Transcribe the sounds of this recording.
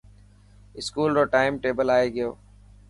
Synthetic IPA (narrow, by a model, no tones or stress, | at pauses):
ɪskuːlɾoːʈaːɪmʈeːbəlaːeːɡɪjoː